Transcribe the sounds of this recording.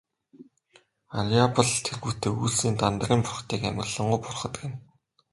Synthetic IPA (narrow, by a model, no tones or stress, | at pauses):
aɮiapə̆ɮt̪ʰerɣuːt̪eːuːɮsiːnt̪ant̪ərʲiːmpʊrχt̪iːkæmɪ̆ɮə̆ɴɢʊjpʊrχə̆t̪̆ɡɘ̆n